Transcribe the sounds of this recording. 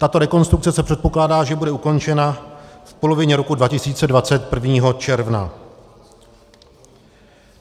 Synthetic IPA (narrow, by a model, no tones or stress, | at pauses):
t̪at̪o̞ɾɛko̞nst̪ɾuk̚t͡sɛsɛpr̥ɛt̪̚po̞klaːdaːʒɛbudɛuko̞nt͡ʃɛnafpo̞lo̞vɪɲɛɾo̞kudvacɪsiːt͡sɛdvat͡sɛt̪̚pr̩vɲiːɦo̞t͡ʃɛɾvna